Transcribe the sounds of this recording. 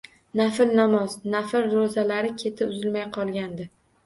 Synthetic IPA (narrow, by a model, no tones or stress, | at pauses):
nafɪlnamɒznafɪlɾozalaɾɪkʲʰe̞t̪ʰɪʊzɪlmajqʰɒlˠɡʲand̪ɪ